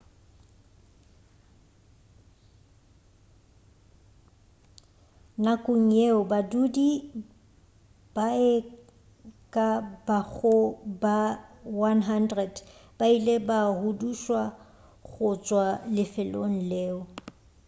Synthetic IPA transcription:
nakʼʊŋ̩jeʊbadudi | b̥aɛ | kʼabaɣʊbawanɦandrɛdb̥ailebahuduʃwa | ɣʊt͡ʃʼwalɪfɪlo̰ŋ̩leːʊ

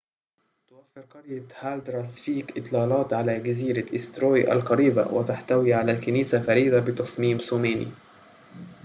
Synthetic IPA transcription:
t̪ʊwafːɪɾqɑɾjahaːld̪ɾˤɑːsfiːkʔɪt̪ˤlɑːlɑːt̪ʕalaɡaziːɾaʔɪst̪ɾoːjʔa̰lqɑɾiːba̰wʔɪ̰t̪aħt̪awiːʕalalkaniːsafaɾiːd̪abɪt̪ɑsˤmiːmsuːmeːnḭ

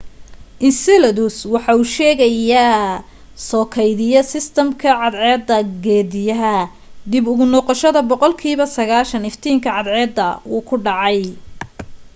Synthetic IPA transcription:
ʔɪnsɛlɐðʊswɑħɑuːʃɛːɣɐja | sɔːkʰɛjðɪjɔsɪst̪ʰɐmkʰɐʕɑd̪ʕɛːd̪ːɐɡɛːd̪ɪjɐɦɐ | d̪ɪbʊɣʊnɔːqɑʃɐðɐbɔqɔlkʰiːβɐsɐɣaːlʃɐnɪft̪ʰiːŋkʰɐʕɑd̪ʕɛːd̪ːɐuːkʰʊɖɑʕɑj

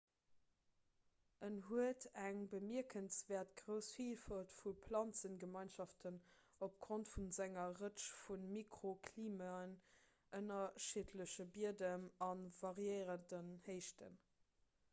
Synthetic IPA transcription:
ənɦuətʰæŋbəmiəkʰənsvɛːɐtɡʁəʊsfifɑltfupʰlɑnt͡sənɡəmɑɪnʃɑftʰən | op̚ɡ̥ʁontfunzæŋɐʁəʃfunmikʁokʰliːmɑn | ʔənɐʃitʰləɕəbiədənɑnvɑʁjəɪʁətənhəɪʃtʰə̰n

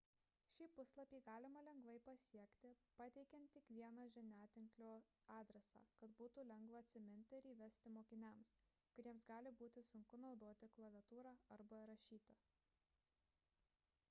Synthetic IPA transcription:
ʃʲiːpʊslˠɐpʲiːɡɑːlʲɪmɐlʲɛŋɡʋɐɪpɐsʲiɛkt̪ʲɪpɑːt̪ʲɛɪkʲɛnt̪ːʲɪkʋʲiɛnɑʒʲɛnʲæːt̪ʲɪŋklʲoːɑːd̪ʲɾʲɛsɑ̰ːkɐt̪buːt̪uːlʲɛŋɡʋɐɐt̪ʲsʲɪmʲɪnʲt̪ʲɪɪɾiːʋʲɛsʲt̪ʲɪmoːkʲɪnʲæms | kʊɾʲiɛmsɡɑːlʲɪbuːt̪ʲɪsʊŋkʊnɒʊd̪oːt̪ʲɪklˠɐʋʲɛt̪uːɾɑːɐɾbɐɾɐʃʲiːt̪ʲɪ

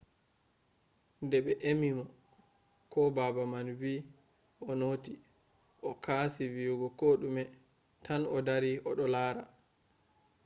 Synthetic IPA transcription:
ndɛɓɛʔemimɔ | kʰɔbabamanvi | ʔɔnoti | ʔɔkʰaːsiviuɡɔkoɗumɛ | tʰanɔdaɾiʔɔɗɔlaːɾa

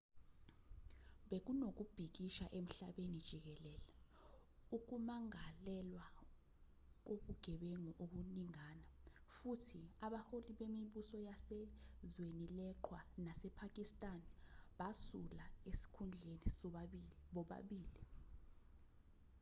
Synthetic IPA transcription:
ɓek̬unok̬ub̥ʱik̬iʃaʔem̩ɬaɓenid̥ʒ̥ʱik̬ɛlɛːlɛ | uk̬umaŋalɛlwa | k̬oɓuɡ̥ʱɛɓɛŋɔʔoɓuniŋaːnafutʰiaɓaholiɓemiɓusɔjasɛzwenilɛǃʰwanasɛpʰak̬ʼistʼanɓasulaesi̥kʰund͡ɮʱenis | ɓɔɓa̰ɓiːli

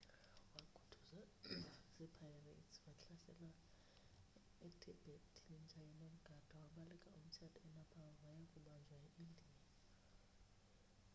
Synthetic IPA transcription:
wakʰu̥tʰu̥zasɛpʰairḛtwaɬasɛ̰la | ɛtʰib̥ʱetʰem̩t͡ʃʰʼajɛnom̩ɡ̥ʱad̥ʱawamalikʼa̰um̩t͡ʃʰatʰʼɔɛnapʰawawajakʼuɓand͡ʒʱwaeʔindʱia

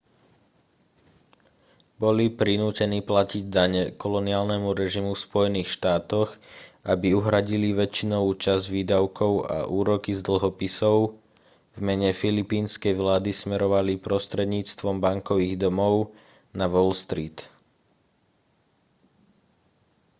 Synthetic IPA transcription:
bɔlipɾinuːcɛniːplaciɟd̪aɲɛkɔlɔniaːlnɛmuɾɛʒimuspɔjɛniːxʃt̪aːt̪ɔɣʔabiuɦɾaɟiliʋɛt͡ʃinɔʋuːt͡ʃazʋiːd̪aʊkʰɔʊa̰ʔuːɾɔkizd̪l̩ɦɔpisɔʊ | vmɛɲɛfilipiːnskɛjʋlaːd̪ismɛɾɔʋalipɾɔst̪ɾɛd̪ɲiːt͡st̪ʋɔmbaŋkɔʋiːɣd̪ɔmɔʊ | naʋɔlst̪ɾiːt̪

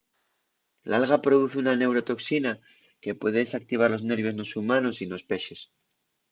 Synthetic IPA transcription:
lalɣapɾo̞ðuθunane̞wɾo̞t̪o̞ksina | ke̞pwe̞ðeðesak̚t̪iβ̞aɾlo̞zne̞ɾβjozno̞sumano̞sino̞spe̞ʃe̞s

